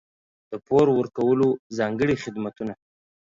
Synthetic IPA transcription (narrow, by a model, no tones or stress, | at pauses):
d̪̥əpoɾwəɾkawəlozɑŋɡəɽixɪd̪mat̪una